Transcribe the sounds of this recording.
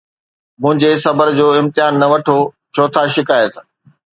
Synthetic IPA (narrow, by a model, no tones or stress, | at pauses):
mʊ̃ɦɪ̃ɲd͡ʑesɐbəɾd͡ʑoːɪ̃mt̪ɪɦaːnːɐʋɐʈʰo | t͡ɕʰoːt̪ʰaʃɪkaːet̪ʰ